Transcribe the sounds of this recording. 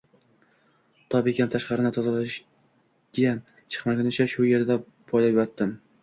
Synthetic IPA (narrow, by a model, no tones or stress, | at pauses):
t̪ʰɒbekʲant̪ʰaʃqɑɾɪnɪt̪ʰɒzalaʃ | ɡ̥ʲat͡ʃʰɨ̥qmakʲʊnɪt͡ʃʰaʃʊje̞ɾd̪a | pʰɒjlapjɒt̪ːɪm